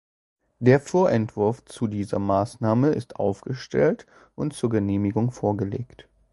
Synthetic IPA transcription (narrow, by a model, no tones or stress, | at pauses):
d̥eːɐfoːɐʔɛntv̥ʊɐft͡sudiːzɐ̰maːsnaːməɪstʔa̰ʊfɡ̥əʃtɛ̰lt | ʔʊntt͡suːɐɡəneːmɪɡʊŋfoːɐɡəlḛːkt